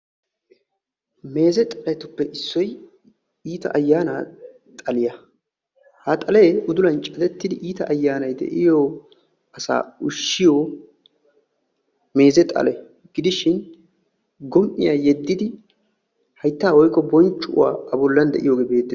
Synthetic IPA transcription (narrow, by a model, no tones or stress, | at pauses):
me̞ːzɛt̪ʼɐlɐjt̪ʊpːɛʔɪsːɔj | iːt̪ɐ̰ʔɐjːaːna | t̪ʼɐlɪjɐ | hat̪ʼɐlɛʊd̪ʊlɐnt͡ʃʼɐd̪ɛt̪ːɪd̪ɪʔiːt̪ɐʔɐjːaːnɐjd̪ɛ̰ʔɪjoː | ɐsa̰ːʊʃːɪjo | me̞ːzɛt̪ʼɐ̰lɛ | ɡ̥ɪd̪ɪʃɪn | ɡɔmʔɪ̰jaːjɛd̪ːɪd̪ɪ | hɐjt̪ːaːwɔjkːɔbɔnt͡ʃːʊʊ̰wa̰ːɐbɔlːɐnd̪ɛʔɪ̰joːɡeːbe̞ːd̪ːɛ